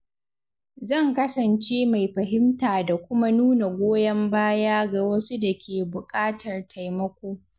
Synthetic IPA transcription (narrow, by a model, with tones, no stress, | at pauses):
zɐ˦˨ŋkɐ˦sɐ˨nt͡ʃeː˦ma˨jɸɐ˨ɦɪ˦mtaː˨da˨kʷʊ˦ma˦nuː˦na˨ɡʷoː˦jɐ˦mbaː˦jaː˦ɡa˨wɐ˦su˦da˨kʲʰeː˨bʊ˨kʼaː˦tɐ˨rtʰa˨jmɐ˦kʷoː˦